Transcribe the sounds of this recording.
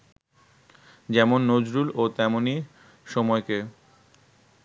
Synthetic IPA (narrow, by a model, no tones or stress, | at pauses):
d͡ʑɛmonːod͡ʑɾulot̪ɛmoni | ʃɔmɔeke